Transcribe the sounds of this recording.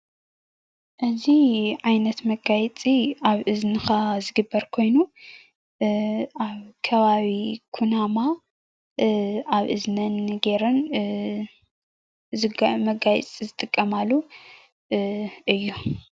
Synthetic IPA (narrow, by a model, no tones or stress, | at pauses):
ʔɨziʕajnɐt̪mɐɡajt͡sʼiaβʔɨznɨxazɨɡɨbːɐɾkʰo̞jnu | ʔaβkʰɐβaβikʰunama | aβʔɨznɐnɨɡeɾɨn | zɨmɐɡaj̰t͡sʼizɨt̪ʼɨkʼːɐmalːu | ʔɨjːu